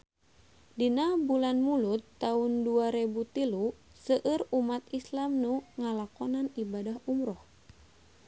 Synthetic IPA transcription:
dinabulanmulut̪ːaunduaɾɛbut̪ilu | səʔəɾumat̪islamnuŋalakɔnanibadaɦumɾɔh

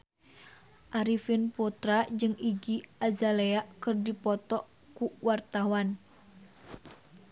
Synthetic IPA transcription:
ʔaɾifɪnput̪ɾad͡ʒɨŋʔiɡiazaleaʔkɨrdipɔt̪ɔʔ | kuwart̪awan

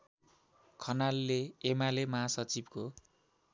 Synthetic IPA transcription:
kʰʌnalːeːmalemʌɦasʌt͡sibko

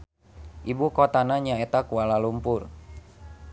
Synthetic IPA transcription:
ʔibukot̪anaɲaɛt̪akualalumpʊr

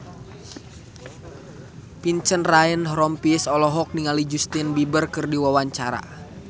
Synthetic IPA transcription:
piɲt͡ʃənrainɦɾɔmpisɔlɔɦɔk̚niŋalid͡ʒust̪inbibərkɨrdiwawaɲt͡ʃaɾa̰

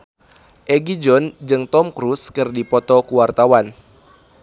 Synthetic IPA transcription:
ʔɛɡid͡ʒɔnd͡ʒɨŋt̪ɔmkɾuskɨrdipɔt̪ɔkuwart̪awan

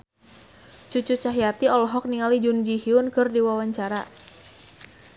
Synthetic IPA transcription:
t͡ʃut͡ʃut͡ʃaɦijat̪iɔlɔɦɔk̚niŋalid͡ʒund͡ʒihiʊnkɨrdiwawaɲt͡ʃaɾa

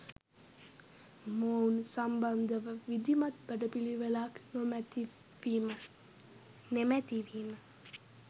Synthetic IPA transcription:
mounsamband̪əʋəʋid̪imat̪̚bəɖəpiliʋəlaknomt̪ | imə | nemæt̪iʋimə

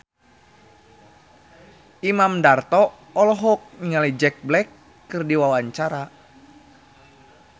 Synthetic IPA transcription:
ʔimamdart̪ɔ | ɔlɔɦɔk̚niŋalid͡ʒɛk̚blɛkː | ɨrdiwawaɲt͡ʃaɾa

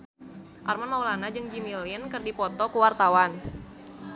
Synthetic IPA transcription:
ʔarmanmaulanad͡ʒɨŋd͡ʒimilinkɨrdipɔt̪ɔkəwart̪awan

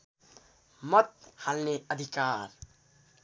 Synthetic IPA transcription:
mʌt̪̚halneəd̪ʱikaːɾ

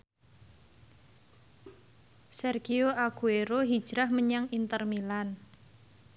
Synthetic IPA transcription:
sɛrɡ̥ioʔaɡ̥ueɾoɦid̥ʒ̥ɾahməɲaŋint̪ərmilan

